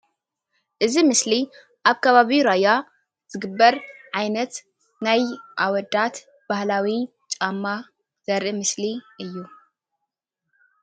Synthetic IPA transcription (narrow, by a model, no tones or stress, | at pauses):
ʔɨzimɨsli | ʔaβkʰɐβaβiɾaja | z̥ɨɡɨbːɐɾʕajnɐt̪ | najʔawɔd̪at̪ | b̥ahlawi | t͡ʃʼamːa | z̥ɐɾʔɨmɨsliʔɨjːu